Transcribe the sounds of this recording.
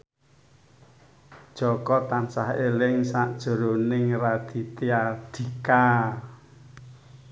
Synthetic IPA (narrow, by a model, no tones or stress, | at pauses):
d̥ʒ̥ɔkɔt̪ansahelɪŋsaʔd̥ʒ̥ə̤ɾonɪŋrad̪̥i̤t̪ead̪̥i̤ka